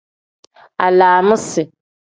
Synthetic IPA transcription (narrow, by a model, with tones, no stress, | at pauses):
a˨laː˨mʊ̃˦sɪ˨